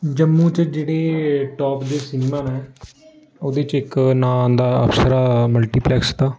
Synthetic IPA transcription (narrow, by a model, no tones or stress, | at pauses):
d͡ʒəmːũːt͡ʃd͡ʒeːɽeːʈɔːpd̪eːsɪneːmaːnɛ̃ː | oːd̪eːt͡ʃɪknaːnd̪aːə̰fsəɾaːməlʈiːplɛːkst̪aː